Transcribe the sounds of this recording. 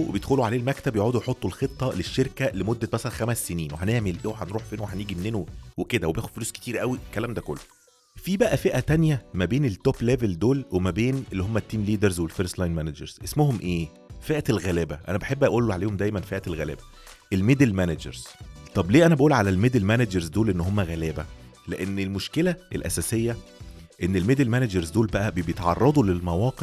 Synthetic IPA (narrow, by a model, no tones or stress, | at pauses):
ḛbejed̪xoluʕaleːlmækt̪æbjeʕuːd̪ujħot̪ˤːulxet̪ˤːɑleʃːeɾkælemod̪ːæmæsælænxæmæsːeniːnweħæneʕmelʔeːweħænɾuːħfiːnoweħæniːɡimenːeːnoweked̪æwebeːxod̪foluːske̥t̪iːɾʔæwikːælæːmd̪æko̰lːo | fiːbæʔæfeʔæt̪ænjæmæbeːnelt̪ːopleveld̪oːlwemæbeːnelːihomːæt̪ːiːmliːd̪æɾzwelfeɾst̪lɑjnmænæd͡ʒḛɾz̥ʔesmoɦomʔeː | feʔælɣælebæʔæ̰næbeħebːʔæʔuːlːoʕaleːhomd̪æjmænfeʔæelɣæ̰ːlḛbæ | ʔelmed̪elmænæd͡ʒḛɾz̥t̪ˤɑbleːʔænæbæʔuːlʕalælmed̪elmænæd͡ʒeɾzd̪oːlʔenːɦomːæɣælæːbæleʔenːelmoʃkelæelʔæ̰sæːsejːæʔenːelmed̪elmænæd͡ʒeɾzd̪oːlbæʔæbebejet̪ʕɑ̰rˤːɑd̪ˤulelmæwɑːqe